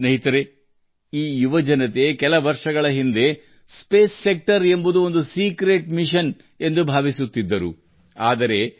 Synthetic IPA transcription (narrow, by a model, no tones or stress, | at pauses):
nɐɦit̪ɐɾe | iːjuʋɐd͡ʒɐnɐt̪ekɛlɐʋɐɾʂɐɡɐɭɐɦind̪e̞ | speːsːek̚ʈɐɾe̞mbud̪uo̞nd̪usiːkɾeʈmiʃɐn | e̞nd̪ubʱaːʋisut̪ːid̪ːɐɾṵ | aːd̪ɐɾe̞